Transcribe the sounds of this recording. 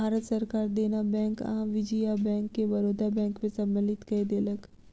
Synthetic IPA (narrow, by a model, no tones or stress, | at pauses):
aːɾət̪sɐɾkaːɾd̪eːnabɛ̃ːŋkã̰ʋɪd͡ʒijabɛ̃ːŋkːeʋɐɾoːd̪ʱabɛ̃ːŋkmẽsɐmːəlɪt̪kɐed̪eːlək